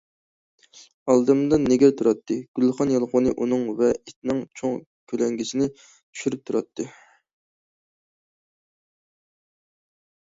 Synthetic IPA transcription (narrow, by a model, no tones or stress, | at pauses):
ɑlˠd̪ɨmd̪ɨnːeɡʲɛt̪ʰuɾɑt̪ʰːɨɡ̥ʲylχɑnjɑlˠqonɨʔunɨŋvɛit̪̚ʰnɪŋt͡ʃʰoŋ | kʲʰølɛŋɡʲisɪnɪ | t͡ʃ̪ʰy̥ʃyɾyp̚t̪ʰuɾɑt̪ʰːɨ